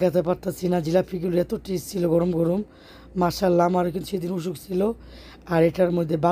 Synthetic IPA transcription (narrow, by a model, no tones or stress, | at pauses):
kat̪ʰap̬aɾt̪asʰinad͡ʑilapʰiɡulɛt̪oʈest͡ɕʰiloɡɔɾomɡɔɾomː | aʃalːamaɾekint̪ʃed̪inuʃ̬ukt͡ɕʰilo | aɾeʈaɾmojd̪ʱːeba